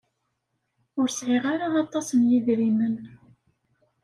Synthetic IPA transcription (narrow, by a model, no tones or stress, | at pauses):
ʊɾsʕɪʁaɾaɑt̪ˤːɑsənjiðɾimən